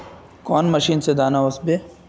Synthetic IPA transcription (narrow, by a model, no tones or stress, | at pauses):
kɔːnmɐʃiːnsed̪aːnaosbeː